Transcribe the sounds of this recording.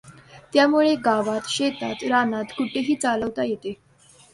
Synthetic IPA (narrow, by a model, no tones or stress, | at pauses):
t̪jamuɭeɡaʋat̪ɕet̪a̰t̪ɾanat̪kuʈʰeɦiːt͡saləʋt̪ajet̪e